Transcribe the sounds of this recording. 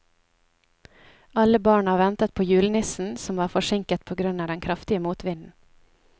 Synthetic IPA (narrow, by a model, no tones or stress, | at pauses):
ɑləbɑːɳɑʋɛnt̪ət̪̚pʰoːjʉːlnɪsn̩sɔmʋɑːɾfɔʃɪŋkət̪̚pʰoːɡɾʉnɑːd̪ɛnkʰɾɑft̪ɪəmuːt̪ʰʋɪnn̩